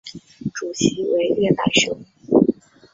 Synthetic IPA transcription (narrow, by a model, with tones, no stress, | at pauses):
ʈ͡ʂu˨˩t͡ɕʰi˧˥we˧˥ɪɛ˥˩p̪a̰˨˩ɪɕjo˧˥ʊ˩